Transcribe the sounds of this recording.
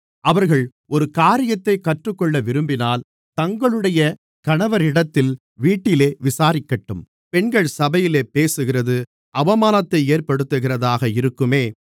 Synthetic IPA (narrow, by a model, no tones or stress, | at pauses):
ʔɐʋɐɾɣɐɭ | ɔɾɯkaːɾɪjɐt̪ːɐɪkːɐʈrɯkːɔɭːɐʋɪɾɯmbɪnaːl | t̪ɐŋɡɐɭɯɽɐjɐ | kɐɳɐʋɐɾɪɽɐt̪ːɪl | ʋiːʈːɪleːʋɪsaːɾɪkːɐʈːɯm | pɛɳɡɐɭsɐbɐjɪleːpeːsɯɣɪrɐðɯ | ʔɐʋɐmaːnɐt̪ːɐɪeːɾpɐɽɯt̪ːɯɣɪrɐðaːɣɐɪɾɯkːɯmeː